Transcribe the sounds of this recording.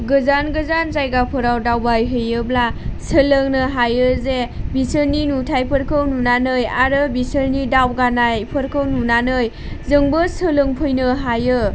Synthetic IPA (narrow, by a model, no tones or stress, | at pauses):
ɡɯzanɡɯzanzajɡapʰɯɾawdawbajɦɯjɯblasɯlɯŋnɯɦajɯzebisɯɾninutʰajpʰɯɾkʰɯwnunanɯjaɾɯbisɯɾnidawɡanajpʰɯɾkʰɯwnunanɯj | zɯŋbɯsɯlɯŋpʰɯjnɯɦajɯ